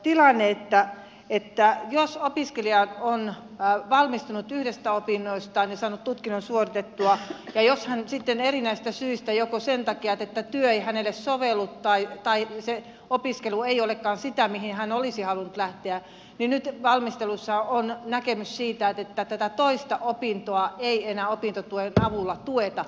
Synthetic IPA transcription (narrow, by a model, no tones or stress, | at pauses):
t̪ilɑnːeet̪ːæ | et̪ːæjosopiskeliɑon | ʋɑlmist̪unut̪yhdest̪æopinːoist̪ɑnisɑːnut̪t̪ut̪kinonsuorit̪et̪ːuɑjɑjoshænsit̪ːenerinæist̪æsyist̪æjokosent̪ɑkiɑt̪et̪ːæt̪yøeihænelːessoʋelːut̪tɑit̪ɑise | opiskelueiolekːɑːnsit̪æmihinhænolisihɑlunut̪læht̪eæ | ninnyt̪ʋɑlmist̪elusːɑonnækemyssiːt̪æet̪et̪ːæt̪æt̪æt̪oist̪ɑʔopint̪oɑeienæːopint̪ot̪uenɑʋulːɑt̪uet̪ɑ